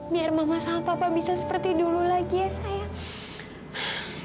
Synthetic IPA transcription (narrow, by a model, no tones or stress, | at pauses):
biarmamasapapabisasə̥pərt̪idululaɡijasaja